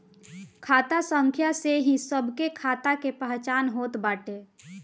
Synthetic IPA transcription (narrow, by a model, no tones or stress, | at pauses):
kʰaːt̪asə̃ŋkʰjaseɦĩsəbʱkekʰaːt̪akepəɦt͡ʃaːnɦoːt̪baːʈeː